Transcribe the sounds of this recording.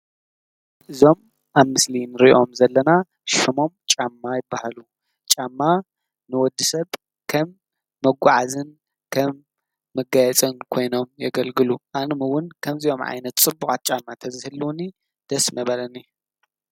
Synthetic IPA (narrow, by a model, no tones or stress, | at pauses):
ʔɨzo̞m | ʔaβmɨslinɨɾiʔʔo̞mzɐlːɐna | ʃɨmo̞mt͡ʃʼamːajɪbːahalu | t͡ʃʼamːa | nɨwɔd̪ːɨsɐβ | kʰɐmː | ɐɡʷaʕazɨn | kʰɐmː | ɐɡajɛt͡sʼɨnkʰo̞jno̞mjɐɡɐlɡɨluʔanɨmɨwʊnkʰɐmzio̞mʕa̰jnɐt̪t͡sʼɨbːuxʼat̪̚t͡ʃʼamːat̪ʰɐzɨhɨlːuni | d̪̥ɐsmɐβɐlɐnij